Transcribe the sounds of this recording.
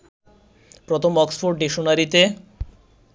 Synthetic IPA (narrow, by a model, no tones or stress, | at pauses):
pɾot̪ʰomɔksfoɾɖɖiʃonaɾit̪e